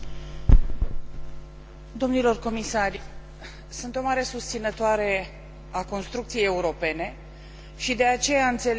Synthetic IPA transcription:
d̪o̞mnilo̞rko̞misaɾ | sɨnt̪o̞maɾe̞sust̪sinət̪oaɾe̞ | ako̞nst̪ɾuk̚t̪sije̞je̞uɾo̞pe̞ne̞ | ʃid̪e̞at͡ʃe̞jaɨnt̪se̞l

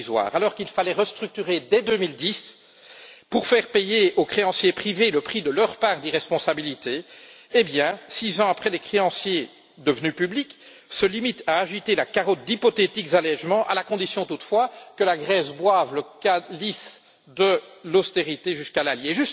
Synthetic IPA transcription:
zwa̰ːʁalɔʁkilfalɛʁəst̪χyk̚t̪yʁed̪ɛd̪ømild̪is | puʁfɛʁpejeokχeɑ̃sjepχiveləpχid̪əlœʁpaʁd̪iʁɛspɔ̃sabilit̪eːbjɛ̃sizɑ̃apχɛlɛkχeɑ̃sje | d̪əvənypyblik | səlimit̪aːʒit̪elakaʁɔt̪̚d̪ipɔt̪et̪ikzalɛʒmɑ̃ʔa̰lakɔ̃d̪isjɔ̃t̪ut̪fwakəlaɡʁɛzbwavləkalis | d̪əlost̪eʁit̪eʒyskalaljeʒyst

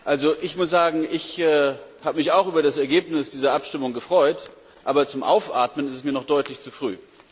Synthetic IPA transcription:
ʔalzoʔɪçmʊs̬z̥aːɡŋ̩ʔɪçɛːhaːbəmɪçaʊxʔyːbɐdasɛɐɡeːpnɪsd̥iːzɐʔapʃtɪmʊŋɡəfʁ̥ɔʏt | ʔaːbɐt͡sʊmʔa̰ʊfʔa̰ɐtmənɪstɛsmiːɐnɔχd̥ɔʏtlɪçt͡sufʁ̥y̰ː

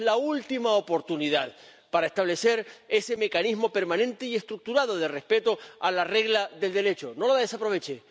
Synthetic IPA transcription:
lault̪imaopo̞ɾt̪uniðað | paɾae̞st̪aβle̞se̞ɾe̞se̞me̞kanizmo̞pe̞ɾmãnẽ̞nt̪eie̞st̪ɾuk̚t̪uɾað̞o̞ð̞e̞re̞spe̞t̪o̞alare̞ɣlaðe̞ld̪e̞ɾe̞t͡ʃono̞laðe̞sapɾo̞βe̞t͡ʃe

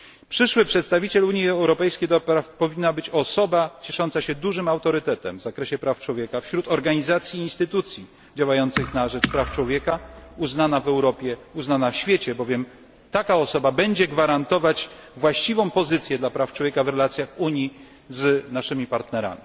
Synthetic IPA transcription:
pʂɘʂwɘpʂɛt̪st̪avʲit͡ɕɛluɲjiɛɛwɾɔpɛjskʲejd̪ɔpɾafpɔvʲinːabɘt͡ɕɔsɔbat͡ɕɛʂɔnt̪saɕɛd̪uʐɘmawt̪ɔɾɘt̪ɛt̪ɛ̰mvzakɾɛɕɛpɾaft͡ʂwɔvʲjɛkafɕɾut̪ɔɾɡaɲizat̪sʲjiːnst̪ɘt̪ut̪sʲji | d͡ʑawajɔnt̪sɘxnaʐɛt͡ʂpɾaft͡ʂwɔvʲjɛkauznanavɛwɾɔpʲjɛuznanafɕfʲjɛt͡ɕɛbɔvʲjɛm | t̪akaɔsɔbabɛɲd͡ʑɛɡvaɾant̪ɔvat͡ɕvwaɕt͡ɕivɔ̃w̃pɔzɘt̪sʲjɛd̪lapɾaftwɔvjekavɾɛlat̪sʲjaxuɲji | znaʂɘmʲipaɾt̪nɛɾa̰mʲi

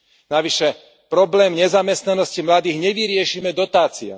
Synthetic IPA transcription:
naʋiʃɛ | pɾɔblɛːmɲɛzamɛst̪nanɔscimlad̪iːɣɲɛʋiɾɪɛʃiːmɛd̪ɔt̪aːt͡sia̰

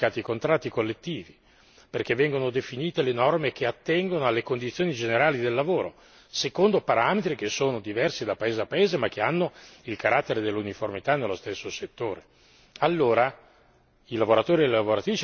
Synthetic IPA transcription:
aːt̪iikont̪ɾat̪ːikolːet̪ːiːvi | perk̟evːɛŋɡonod̪efiniːt̪elenɔrmek̟eat̪ːɛŋɡonoalːekond̪it̪sːjoːnid͡ʒeneɾaːlid̪elːavoːɾo | sekond̪opaɾaːmet̪ɾik̟esːoːnod̪ivɛrsid̪apaeːzeapːaeːzemak̟ːeanːoilkaɾat̪ːeɾed̪elːuniformit̪anːelːost̪esːoset̪ːoːɾe | alːoːɾa | ilavoɾat̪oːɾielːelavoɾat̪ɾit͡ʃ

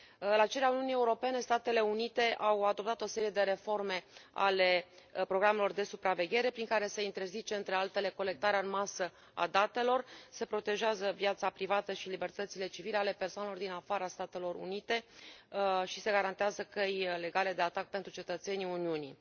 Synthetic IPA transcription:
ɨlat͡ʃeɾeauniunije̞uɾo̞pe̞ne̞st̪at̪e̞le̞unit̪e̞ʔawad̪o̞p̚t̪at̪o̞se̞ɾije̞d̪e̞ɾe̞fo̞rme̞a̰le̞pɾo̞ɡɾame̞lo̞rd̪e̞supɾave̞ɡʲe̞ɾe̞pɾiŋkaɾe̞se̞int̪e̞rzit͡ʃeɨnt̪ɾe̞alt̪e̞le̞ko̞le̞k̚t̪aɾeaɨnmasə | a̰d̪at̪e̞lo̞rse̞pɾo̞t̪e̞ʒazəvjat̪sapɾivat̪əʃilibe̞rt̪ət̪sile̞t͡ʃivileale̞persoanelo̞rd̪inafaɾast̪at̪e̞lo̞rṵnit̪e̞ | ʃise̞ɡaɾant̪eazəkejle̞ɡale̞d̪e̞at̪ak̚pe̞nt̪ɾut͡ʃe̞t̪ət̪se̞niuniunḭ

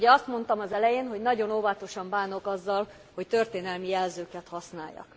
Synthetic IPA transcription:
ɟɛɒst̪mo̞nt̪ɒmɒzɛlɛjeːnɦo̞ɟnɒɟo̞noːvɒt̪o̞ʃɒmbaːno̞kɒzːɒl | ho̞ct̪ø̞rt̪eːnɛlmijɛlzøːkɛt̪hɒsnaːjːɒ̰k

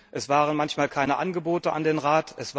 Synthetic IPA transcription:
ʔɛsv̥aːʁ̞ənmançmaːlkʰaɪnəʔanɡəboːtəʔa̰ndeːnʁaːtʰʔɛsv̥

